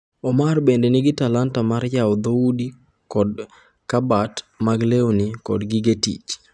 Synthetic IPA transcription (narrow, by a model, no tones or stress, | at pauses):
ɔmarbendenɪɡɪtalantamaɾjaɔd̪oudi | kɔd | kabatmaɡleonikɔdɡɪɡetḭt͡ʃ